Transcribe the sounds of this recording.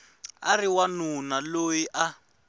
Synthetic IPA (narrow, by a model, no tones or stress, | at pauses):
a̰riwanunalojiʔa